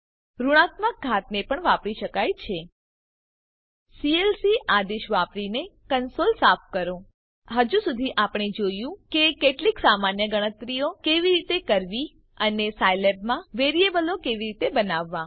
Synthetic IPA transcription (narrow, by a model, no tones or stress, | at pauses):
ɾuɽ̃at̪mak̚ɡʱat̪nepəɳʋapɾiʃəkajt͡ʃʰe | sielsiʔad̪eʃʋapɽinekənsolsapʰkəɾõ | ɦəd͡ʒũsud̪ʱiʔapɳ̃ed͡ʒojũkekeʈliksamanjəɡəɽ̃ət̪ɾijokeʋiɾit̪ekəɾʋi | ənesajlebmãʋeɾijebəlokeʋiɾit̪ebənaʋːã